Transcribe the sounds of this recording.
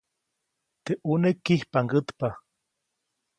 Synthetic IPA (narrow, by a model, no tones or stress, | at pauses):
t̪eʔunekːihpaŋɡət̪pa